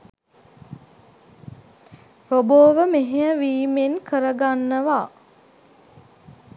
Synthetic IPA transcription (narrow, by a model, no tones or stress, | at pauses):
ɾoboːʋəmeɦejəʋiːmenkəɾəɡanːəʋaː